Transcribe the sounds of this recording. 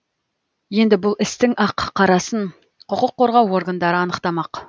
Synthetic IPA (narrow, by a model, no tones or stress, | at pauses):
je̞nd̪ɪbʊlˠɪst̪ɪŋʔɑqʰːɑɾɑsəɴ | qʰʊqʊqʰːo̞ɾʁɑwo̞ɾɡənd̪ɑɾəɑnəqt̪ɑmɑq